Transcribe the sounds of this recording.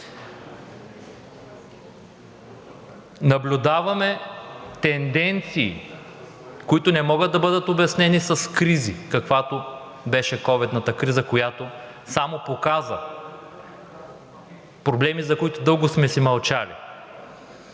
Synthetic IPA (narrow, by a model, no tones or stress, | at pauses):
nɐblʲʊd̪avɐmɛt̪ɛnd̪ɛnt̪siː | koit̪ʊnɛmɔɡəd̪̚ɐbɤd̪ət̪objɐsnɛnisɐskɾizikɐkvat̪o | bɛʃɛkɔvɛd̪nət̪əkɾizəkojat̪o | samopokazɐ̰ | pɾoblɛmizɐkoit̪ʊd̪ɤlˠɡʊsmɛsimɐlˠt͡ʃalḭ